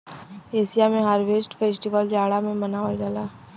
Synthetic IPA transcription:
eːsijamẽɦaːɾʋeːsʈfʰeːsʈiʋəld͡ʒaːɽamẽmənaːʋəd͡ʒaːlaː

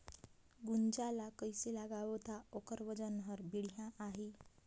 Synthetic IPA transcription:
ɡund͡ʑalakəjselaɡaʋt̪aokəɾʋəd͡ʑənɦəɾbiɽjãʔaɦe

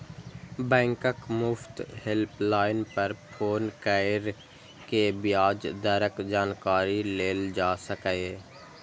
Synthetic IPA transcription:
bɛ̃ːŋkəkmʊft̪hɪlplaːɪnpɐɾpʰoːnkəɾ | kebjaːd͡ʒd̪əɾəkd͡ʒaːnkaːɾileːld͡ʒaːsəkeː

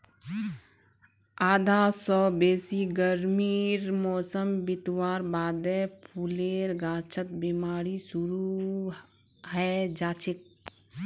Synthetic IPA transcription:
aːd̪ʱaːsɔːbeːsiɡəɾmiːɾmɔːsəmbɪt̪waːɾbaːd̪ɛpʰuleːɾɡaːt͡ʃʰət̪̚bemaːɾisʊɾu | ɦɛd͡ʒaːt͡ʃʰɪk̪̚

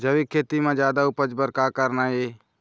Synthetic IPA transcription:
d͡ʒəʋiːkʰeːt̪imãːd͡ʒjaːd̪aːʊpəd͡ʒbəɾkaːkəɾnaːɦeː

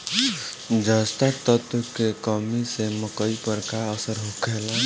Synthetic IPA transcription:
d͡ʒəst̪at̪ət̪ukekəmiseməkəipəɾkaəsəɾɦukʰela

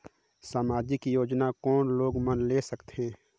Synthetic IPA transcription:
saːmaːd͡ʒikijoːd͡ʒnakɔːnloːɡmənlesəkt̪ẽː

